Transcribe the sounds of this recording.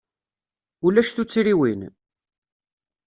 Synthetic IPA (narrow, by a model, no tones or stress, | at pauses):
ulæʃθut͡sːiɾiwin